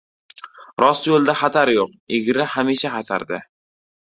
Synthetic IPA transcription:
ɾɒsjolˠd̪aχɑt̪ʰaɾjoq̚ɪɡʲɾɪhamiʃaχɑt̪ʰa̰ɾd̪ɪ

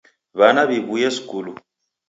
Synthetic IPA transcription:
βanaβiβujɛsi̥kʼulu

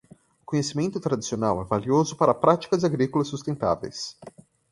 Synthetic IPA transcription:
ʊkõɲesimẽnt̪ʊt̪ɾad͡ʒisionawɛvaliozʊpaɾɐpɾat͡ʃi̥kɐzaɡɾikʊlɐsːust̪ẽnt̪a̰vḛjs

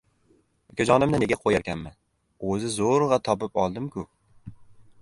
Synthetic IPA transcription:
kʲʰad͡ʒɒnɪmnɪne̞ɡʲaqʰojaɾkʲʰanman | ɵzɪzoɾʁɑt̪ʰɒp̬ɪpɒlˠd̪ɪmkʰʲʊ

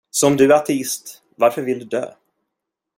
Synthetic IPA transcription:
sɔmd̪ɵæat̪ʰɛɪst̪ | vaɾfœɾvɪld̪ɵd̪ø̰ː

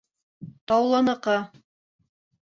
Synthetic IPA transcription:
t̪ɑwlˠɑnɤ̆qɑ

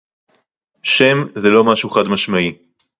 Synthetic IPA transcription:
ʃe̞mzelo̞maʃuχad̪maʃmai

